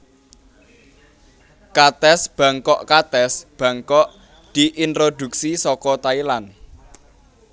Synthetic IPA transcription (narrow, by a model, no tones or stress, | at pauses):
kat̪ɛsb̥a̤ŋkɔʔkat̪ɛsb̥ä̤ŋkɔʔ | d̪̥i̤ʔint̪ɾod̪uksisɔkɔt̪ailan